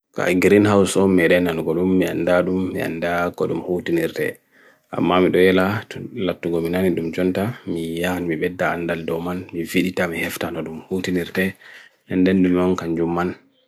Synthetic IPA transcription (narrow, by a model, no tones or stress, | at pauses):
ka̰ɡɾinhawsɔmɛɗɛnanɡɔɗumːia̰ndaɗumːḭa̰ndakɔɗumhutiniɾtɛ̰ | ʔa̰mːamiɗɔjɛlatlatːuɡɔminaniɗumd͡ʒɔntamijanmiɓɛdːaandaldɔmanmiviɗitamihɛftanɔɗumhutiniɾtɛ | ɛndɛnɗummɔnkaɲd͡ʒumːan